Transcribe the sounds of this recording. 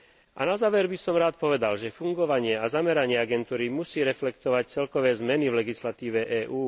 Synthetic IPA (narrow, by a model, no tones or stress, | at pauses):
ʔa̰nazaːʋɛɾbisɔmɾaːt̪̚pɔʋɛd̪alʒɛfuŋɡɔʋaɲɪɛazamɛɾaɲɪɛaɡɛnt̪uːɾimusiːɾɛflɛkt̪ɔʋac̚t͡sɛlkɔʋɛːzmɛnivlɛɡislat̪iːʋɛʔɛːʔuː